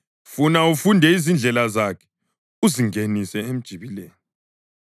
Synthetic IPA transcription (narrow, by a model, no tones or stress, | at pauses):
funaufundʱɛizind͡ɮʱɛlazakʰɛ̥ | uziŋʱenisɛem̩d̥ʒ̥ʱiβileːju